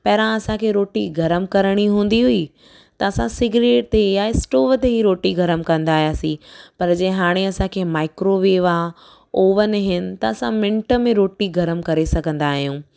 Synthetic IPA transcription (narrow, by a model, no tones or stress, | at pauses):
pɐɦɾãɐsãkʰeːɾoːʈiɡʱɐɾəmkɐɾəɽ̃iɦũːn̆d̪iɦʊi | t̪ɐɐsãsɪɡɾeːʈt̪ejaɪsʈoːʋət̪eɦiɾoːʈiɡʱɐɾəmkɐ̃nd̪aːɦijaːsĩpɐɾd͡ʑɐ̃ːɦaːɽ̃eɐsãkʰeːmaːɪkɾoʋeːʋa | oːʋənɪɦɪnɪ̆t̪ɐɐsãmɪ̃ɳʈə̆mẽɾoːʈiɡʱɐɾəmkɐɾesɐɡʱə̃nd̪aːɦijũː